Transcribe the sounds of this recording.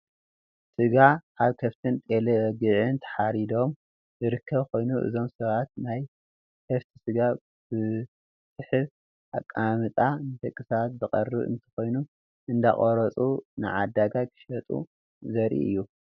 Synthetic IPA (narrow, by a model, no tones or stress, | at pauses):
sɨɡaaβkʰɐft̪ʰɨnt̪ʼe̞lewɐɡɨʕɨnt̪ʰɐ̥ħaɾid̪o̞m | zɨɾɨkʰːɐβko̞jnuʔɨ̰zo̞msɐβat̪naj | kʰɐft̪ʰi̥sɨɡa | b̥ɨ | sɨħɨβ | akʼːamɨt̪ʼanɨt̪ɐkʼːɨsat̪zɨqʼɐrːɨβɨ̰nt̪ʰɐ̥xo̞jnu | ʔɨnd̪aχʼoɾɐt͡sʼunɨ̰ʕad̪aɡakʰɨ̥ʃɐt̪ʼṵ | zɐɾʔḭʔɨ̰jːu